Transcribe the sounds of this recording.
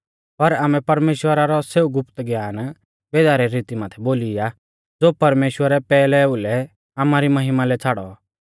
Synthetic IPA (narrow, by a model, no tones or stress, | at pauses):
pɐɾaːmɛ̃pɐɾmeːʃwəɾaɾɔseːuɡʊpt̪ɡjaːn | beːd̪aːɾɛɾiːt̪imaːt̪ʰɛboːlija | d͡zoːpɐɾmeːʃwəɾɛpɛːlɛulɛ | aːmaɾimɐɦɪmalɛt͡sʰaːɽɔ̰